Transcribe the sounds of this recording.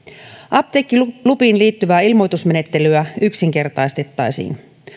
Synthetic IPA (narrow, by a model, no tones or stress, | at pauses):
ʔɑp̚t̪ekːilupiːnliːt̪ːyʋæːilmo̞jt̪usme̞ne̞t̪ːe̞lyæyksiŋke̞rt̪ɑjst̪e̞t̪ːɑjsḭːn